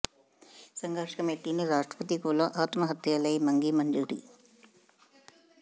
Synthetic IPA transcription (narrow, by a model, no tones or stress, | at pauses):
sɐŋɡaːʂɐ̥kɐmeʈːiniɾaːʂʈɾɐpɐt̪ikuːlɐʔaːt̪mɐɦɐt̪jaːlɐjmɐŋɡimɐɲd͡ʒuɽḭ